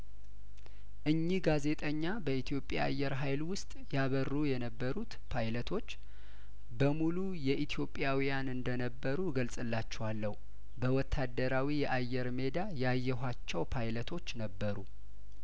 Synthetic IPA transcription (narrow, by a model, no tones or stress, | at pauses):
ʔɨɲːiɡaze̞t̪ʼəɲːabəit̪ʰjo̞pʼːja̰ajːɛɾɦajlwʊst̪ʼjaβərːujɛnəbːəɾut̪pʰajlət̪ʰo̞t͡ʃː | bəmulujɛʔit̪ʰijo̞pʼːjawijanɨnd̪ənəbːəɾuɡəlsʼɨlːat͡ʃːɛwalːəhu | bəwɔt̪ʰːad̪əɾawijɛʔajːɛɾme̞d̪ajajːɛɦʷat͡ʃːɛwpʰajlət̪ʰo̞t͡ʃːnəbːəɾu